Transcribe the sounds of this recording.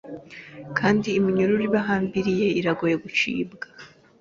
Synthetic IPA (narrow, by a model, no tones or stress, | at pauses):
kʰaːndiːmiɲuɾuɾiβaɦaːmbiɾije̞iɾaɡoje̞ɡut͡ʃḭːbɡḁ